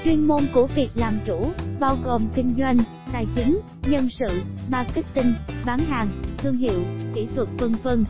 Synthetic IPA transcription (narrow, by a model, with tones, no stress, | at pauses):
t͡ɕwi˧ənmo˧nku˧˩əvi˨˩ək̚laː˨˩mt͡ɕu˧˩ɓaː˧wɣo˨˩mkï˧ŋ̟zwa˧jŋ̟ | t̪aː˨˩jt͡ɕï˨˦ŋ | ɲə˧nsɨ̰˧˨maː˨˩ki˦˥k̚t̪ï˧ŋ̟ɓaː˨˦nɦaː˨˩ŋt̪ʰɨ˧əŋɦḭ˧˨əwkḭ˧˩t̪ʰwə˨˩t̚fə˧ŋnfə˧ŋ